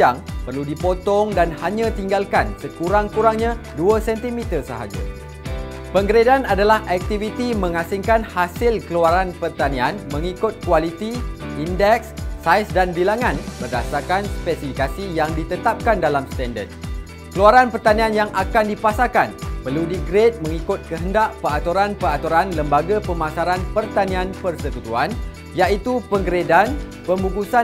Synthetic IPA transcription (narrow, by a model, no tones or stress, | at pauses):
aŋpərludipot̪ɔŋdanhaɲãt̪iŋɡalkansəkuɾaŋkuɾaŋɲãduəsɛnt̪imit̪ərsə̰ɦa̰d͡ʒa̰ | pəŋɡəɾedanadalahʔɛk̚t̪ivit̪imə̃ŋasɪŋkanhasɪlkəluaɾanpərt̪anĩanmə̃ŋikʊt̪̚kuwalit̪iʔindɛksːajsdanbilaŋãnbərdasarkanspɛsifikasijaŋdit̪ət̪ap̚kandalamst̪ɛndə̰d̪̚ | kəluaɾanpərt̪anĩanjaŋakandipasakanpərludiɡɾet̪̚mə̃ŋikʊt̪̚kəɦəndaʔpəat̪uɾanpəat̪uɾanləmbaɡapəmasaɾanpərt̪anĩanpərsəkut̪uan | jaʔit̪upəŋɡɾedan | pəmbukusa